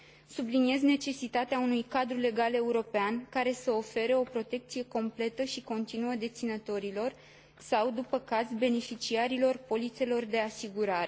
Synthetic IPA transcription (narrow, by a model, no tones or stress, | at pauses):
sublinije̞zne̞t͡ʃe̞sit̪at̪eaunujkad̪ɾule̞ɡale̞uɾo̞peankaɾe̞səo̞fe̞ɾeo̞pɾo̞t̪e̞k̚t̪sije̞ko̞mple̞t̪əʃiko̞nt̪inuəd̪e̞t̪sinət̪o̞ɾilo̞r | sawd̪upəkazbe̞ne̞fit͡ʃiaɾilo̞rpo̞lit̪se̞lo̞rd̪e̞asiɡuɾaɾe̞